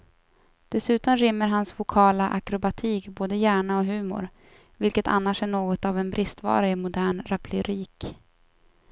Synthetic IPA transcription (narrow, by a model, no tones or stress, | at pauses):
d̪̥ɛsʉ̟ːt̪ɔmɾɪmːəɾɦansvʊkʰɑːlaʔakɾʊbat̪ʰiːkboːd̪əjæːɳaɔɦʉ̟ːmʊ̰ɾ | vɪlkət̪ʰa̰nːaʂæɳoːɡɔt̪avɛnbɾʔɪst̪vɑ̰ːɾaɪmʊd̪æːɳɾapʰlɪɾiːk